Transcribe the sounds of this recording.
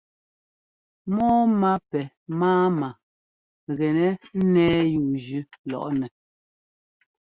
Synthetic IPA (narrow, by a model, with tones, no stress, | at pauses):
mɔː˦ma˦pɛ˨ | maː˦ma˨ | ɣɛ˨nɛ˦nɛː˦juː˨d͡ʒʉ˦lɔ̰˨ʔnɛ˨